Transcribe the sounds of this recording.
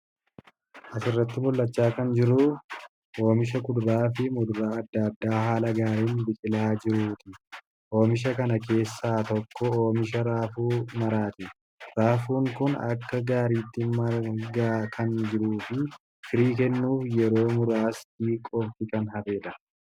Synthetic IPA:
ʔɐsɪrːɐt̪ːɪbʊlːɐt͡ʃːaːkɐnd͡ʒɪɾʊ | ʔo̞ːmɪʃ̬ɐkʊd̪ɾaːfɪmʊd̪ɾaːɐd̪ːɐd̪ːaːhaːlɐɡaːɾiːnbɪkʼɪlaːd͡ʒɪɾuːt̪ɪ | ʔo̞ːmɪʃ̬ɐkɐnɐke̞ːsːaːt̪ɔkːɔoːmɪʃ̬ɐɾaːfuːmɐɾaːt̪ɪ | ɾaːfuːŋkʊnɐ̰kːɐɡaːɾiːt̪ːɪmɐɡaːkʰɐnd͡ʒɪɾuːfɪ | fɪɾiːkɛnːuːfjɛɾo̞ːmʊɾaːsd̪iːkʼːɔft̪ɪkɐnɦɐbe̞ːlɐ

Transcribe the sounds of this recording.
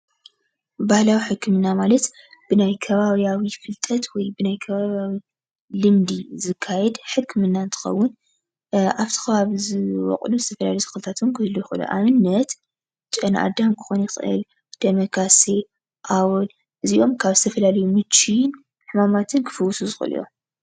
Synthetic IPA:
bahlawiħɨkʰːɨmɨnːamalɐt̪ | b̥ɨnajkʰɐβaβjawifɨlt̪ʼʰɐt̪wɔjbɨnajkʰɐβaβjawi | lɨmd̪izɨkʰːajɛd̪ħɨkʰːɨmɨnːant̪ʰɨ̥xɐ̰wːʊn | ʔaβt̪ʰɨ̥xɐβaβizɨwɔ̰qʼluzɨt̪ʰɐfɐla̰ljt̪ɨ̥xɨlɨt̪ʰat̪ʰomkʰɨhɨlːujɪxʔɨ̰lṵʔa̰mɨnːɐt̪ | t͡ʃʼɐnʔa̰d̪amkʰɨ̥xo̞njɪxɨʔɨ̰l | d̪̥ɐmɐkase | ʔawɨl | ʔɨziʔo̞mkʰaβzɨt̪ʰɐfɐlalɐjumɨt͡ʃːin | ħɨmamat̪ʰɨnkʰɨ̥fɨwːʊsuzɨxɨ̰lʔḭjo̰

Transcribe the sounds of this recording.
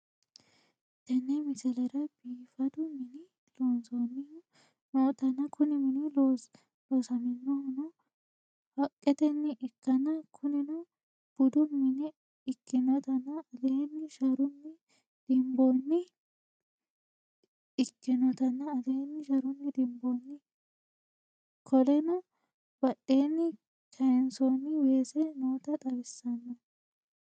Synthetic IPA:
t̪ɐnːɛmɪsɐlɐɾɐb̥iːfɐd̪ʊmɪnɪ | loːnsonːɪj | noːt̪ɐnːɐkʰʊnɪmɪnɪlo | loːsɐmɪnːɔnɔ | fɐkʼːɛt̪ɛnːɪʔɛkːɐnɐkʰʊnɪnɔ | b̥ʊd̪ʊmɪnɪ | ɪkːɪnɐt̪ɐnːɐːd̪eːnːɪʃɐɾʊnːɪ | d̪̥ɪmboːnːɪ | kːɪnɔt̪ɐnːɐːd̪eːnːɪʃɐɾʊnːɪd̪ɪmbonːɪ | kʰɔlɛnɐ | b̥ɐɗːe̞ːnːɪ | kʰɐjɛnsoːnːɪweːsɛnoːt̪ɐt̪ʼɐbɪsːɐnːɛ

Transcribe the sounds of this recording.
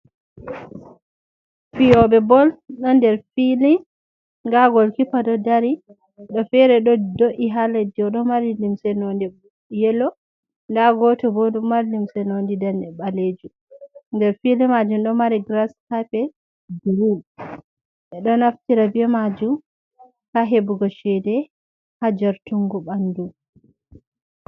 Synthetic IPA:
fiɔɓɛbɔlɗɔndɛɾfili | ŋɡaɡɔlkipadɔdaɾi | ɗɔfɛɾɛɗɔdoʔiɦalediɔɗɔmaɾilimsɛnondi | jɛlɔ | ndaɡɔtɔbɔɗumːaɾlimsɛnondidanɛɓaled͡ʒum | ndɛɾfilɛmad͡ʒumɗɔmaɾiɡɾashapɛ | diɾin | ʔɛɗɔnaftiɾabiɛmad͡ʒum | kaɦebuɡɔʃɛdɛ | had͡ʒaɾtuŋɡuɓandu

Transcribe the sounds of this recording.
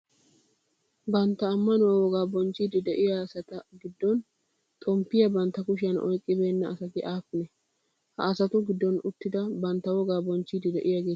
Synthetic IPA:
bɐnt̪ːɐːmːɐnʊwawɔɡaːbɔnt͡ʃːid̪ɪd̪ɛʔɪjasɐt̪ɐɡɪd̪ːɔn | t̪ʼɔmpːɪjɐbɐnt̪ːɐkʊʃɪjɐnɔ̰jkʼːɪbe̞ːnːɐːsɐt̪ɪʔaːpːɪnɛ | hɐ̰ːsɐt̪ʊɡɪd̪ːɔnʊt̪ːɪd̪ɐbɐnt̪ːɐwɔɡaːbɔnt͡ʃːid̪ɪd̪ɛʔɪjaɡe̞ː

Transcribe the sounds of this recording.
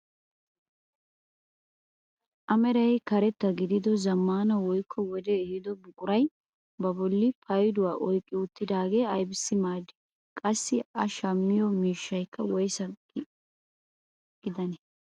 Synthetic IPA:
ʔɐmɛɾɐjkɐɾɛt̪ːɐɡɪd̪ɪd̪ɔzɐmːaːnɐwɔjkʰːɔwɔd̪ɛːhɪd̪ɔbʊkʼʊɾɐj | bɐbɔlːɪpʰɐjd̪ʊwaːʔɔjkʼːɪʊt̪ːɪd̪aːɡe̞ːɐjbɪsːɪmaːd̪ɪ̥ | kʼɐsːɪɐʃɐmːɪjɔmiːʃːɐjkːɐwɔjsɐ | ɡ̥ɪd̪ɐnɛ

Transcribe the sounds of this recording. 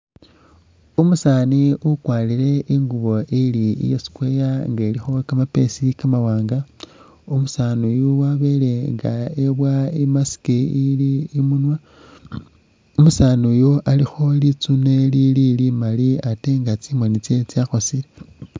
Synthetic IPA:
umusaːniukwaːliɾe̞ʔiŋɡuβo̞ʔiliḭjosi̥kwe̞ːjaŋɡelixo̞kamape̞̰sikamawaːŋɡa | umusanujuwaβe̞le̞ŋɡa̰eβwaimasi̥kiiliːmunwa | umusaːnujoʔalixo̞lit͡sune̞lililimaliate̞ŋɡat͡simwonit͡se̞t͡siaxo̞sile

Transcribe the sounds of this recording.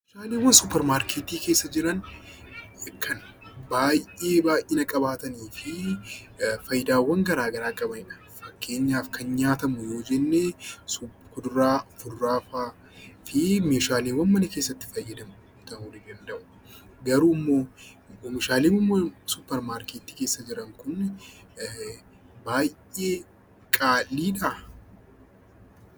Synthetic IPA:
mːʃaːleːwːɐnsʊpːɛɾmaːɾkʰeːt̪iːke̞ːsːɐd͡ʒɪɾɐn | kʰɐn | baːjʔeːbaːjʔɪnɐkʼɐbaːt̪ɐniːfɪ | fɐjd̪aːwːɐŋɡɐɾaːɡɐɾaːkʼɐbɐnɪᶑɐ̥ | fɐkːe̞ːɲːaːfkʰɐnɲaːt̪ɐmʊjo̞ːd͡ʒɛnːeːsʊkʊd̪ʊɾaːfʊd̪ːaːfaː | fɪmeːʃaːleːwːɐnmɐnɐkeːsːɐt̪ːɪ̥fɐjːɐd̪ɐmʊ | t̪ɐuːnɪd̪ɐnd̪ɐʔʊ | ɡɐɾumːoː | ɔmɪʃaːleːwɐnːɐsʊpːɛɾmaːɾkeːt̪ːiːke̞ːsːɐd͡ʒɪɾɐŋkʊn | baːjʔeː | kʼaːlːiːᶑɐ

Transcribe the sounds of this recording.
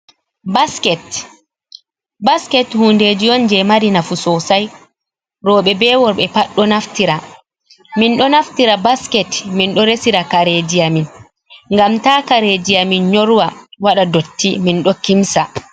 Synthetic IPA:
baskɛt | baskɛthuːndeːd͡ʒiɔnd͡ʒɛmaɾinafusɔsaj | ɾɔːɓɛbɛːwɔɾɓɛpaɗːɔnaftiɾa | minɗɔnaftiɾabaskɛtminɗɔɾesiɾakaɾed͡ʒijamin | ŋɡamtaːkaɾed͡ʒijaminɲoɾwawaɗadotːiminɗɔkimsa

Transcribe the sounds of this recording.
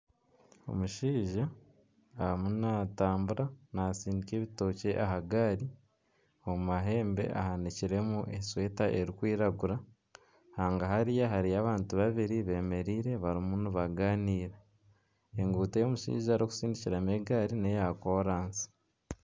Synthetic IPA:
o̞̰muʃiːʒaː | munataːmbuɾanaːsiːndiceːβito̞ːce̞ʔaɦaɡaɾi | oumaɦe̞ːmbe̞̰ʔa̰haniciɾe̞muʔe̞swe̞ːtaʔeɾikwiːɾaɡuɾa | haːŋɡaɦaɾijaɦaɾijaβaːntuβaβiɾiβe̞ːme̞ɾiːɾe̞βaɾimunuβaɡaːniːɾe | eŋɡuːtejo̞muʃḭːʒaːɾoku̥siːndiciɾameɡaɾinejakoːɾaːnsi̥

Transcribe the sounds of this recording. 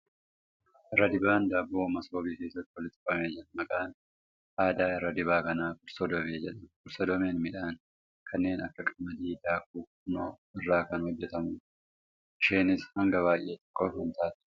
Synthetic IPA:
ʔɪrːɐd̪ɪbaːnd̪aːbo̞ːmɐsoːbiːke̞ːsːɐt̪ːɪɔlɪt̪ːɪ̥fɐmeːd͡ʒnmɐkʼaːn | ʔaːd̪aːɪrːɐd̪ɪbaːkɐnaːkʊɾsɔd̪ɔmeːd͡ʒɛᶑɐkʊɾsɔd̪ɔmeːnmɪᶑaːn | kʰɐnːe̞ːnɐkːɐkʼɐmɐd̪iːd̪aːkuː | noː | ɪrːaːkɐnhɔd͡ʒːɛt̪ɐmʊː | ʃeːnɪshɐŋɡɐβaːjʔːe̞ːt̪ɔ̥kʼːoːfɐnt̪aːt̪

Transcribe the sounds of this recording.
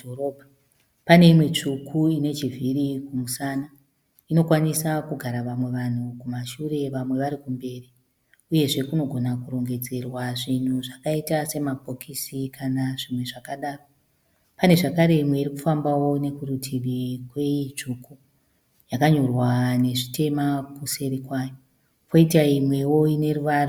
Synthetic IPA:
orobʱa | pane̞imwe̞t͡ʂukʰuine̞t͡ʃivʱiɾikumusaːna | ino̞kwanisakuɡʱaɾaʋamwe̞ʋan̤ukumaʃure̞ʋamwe̞ʋaɾikumbe̞ːri | uje̞ʐe̞kuno̞ɡʱo̞nakuɾo̞ŋɡe̞d͡ze̞rwaʐin̤uʐakaitase̞mapokisikʰanaʐimwe̞ʐakaɗaːro | pane̞ʐakaɾe̞imwe̞iɾikufambawo̞ne̞kuɾutʰiɗikweit͡ʃuku | jakaɲo̞rwane̞ʐitʰe̞makuse̞ɾikwaːjo | po̞itaimwe̞wo̞ine̞ɾuʋaːra

